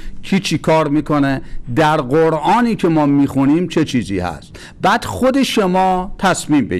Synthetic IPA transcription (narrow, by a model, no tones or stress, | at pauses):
cʰiːt͡ʃʰikʰɒːɾmiːkʰoned̪æɾɢoɾɒːniːcʰemɒːmiːxuniːmt͡ʃʰet͡ʃʰiːzḭːhæ̰st̪ | bæːd̪̥xod̪eʃomɒːt̪ʰæsmiːmbe